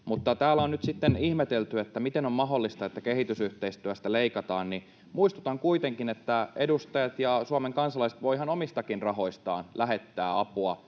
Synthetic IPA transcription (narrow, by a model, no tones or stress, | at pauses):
mut̪ːɑt̪æːlːˑæonyt̪sit̪ːenihmet̪elt̪yet̪ːæmit̪enommɑɦolːist̪ɑet̪ːækehit̪ysyht̪eist̪yæst̪æleikɑt̪ɑːnni | muist̪ut̪ɑŋkuit̪eŋkinet̪ːæedust̪ɑjɑt̪jɑsuɑmeŋkɑnsɑlɑise̥t̪ʋoiɦɑnomist̪ɑkinrɑɦo̞ist̪ɑ̰ːnlæɦet̪ːæːɑpuɑ